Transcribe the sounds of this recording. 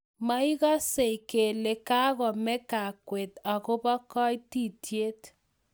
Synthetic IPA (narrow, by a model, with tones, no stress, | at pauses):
ma˦i˦ɣa˦se˨ike˨le˨ka˦ɣɔ˨mɛ˦ka˨kwe˨ta˨kʊ˦bɔ˦kɔ˦jti˦˨tje˦t